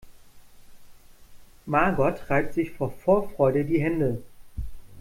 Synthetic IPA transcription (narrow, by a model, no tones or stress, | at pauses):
maːɡɔtʁaɪp̚tz̥ɪçfoːɐfoːɐfʁ̥ɔʏɾədiːɦɛndə